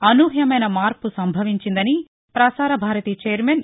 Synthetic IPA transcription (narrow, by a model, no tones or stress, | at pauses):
ɐnuːɦjɐmɐjnɐmaːɾpusɐmbʱɐʋiɲt͡ʃind̪ɐni | pɾɐsaːɾɐbʱaːɾɐt̪iːt͡ʃeːɐɾmen